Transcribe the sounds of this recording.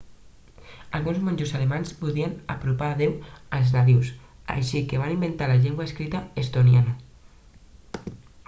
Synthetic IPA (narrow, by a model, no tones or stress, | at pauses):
alɣunzmõɲʲd͡ʒosalemanspuðiana̰pɾupaːðewalznaðiwsa̰jʃikeβ̞animbent̪alaʎeŋɡwaeskɾit̪aest̪onjana